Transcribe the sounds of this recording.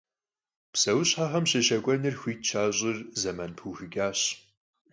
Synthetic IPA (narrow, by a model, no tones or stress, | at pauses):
psɐwʊɕħaħɐmɕɪʃɐkʷʼɔnɨrxʷiːtt͡ʃʰaːɕʼɪrzɐmɐnpʰuːxɨɡʲʼaːɕ